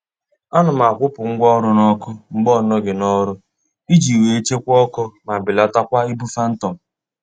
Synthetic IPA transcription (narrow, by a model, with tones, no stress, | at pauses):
a˦nʊ˨ma˨kʷʊ˦pʊ˨ŋ̩˦ɡʷɔ˦ɾʊ˦nɔ˦kʊ˦ŋ͡m̩˨ɡ͡bɔ˦˨nɔ˦ɡɪ˨nɔ˦ɾʊ˦ | i˦d͡ʒi˨we˨e˦t͡ʃe˦kʷɔ˦kɔ˦ma˨bɪ˨la˦ta˦kʷa˦i˦bu˦fa˦n̩˦tɔ˨m̩˨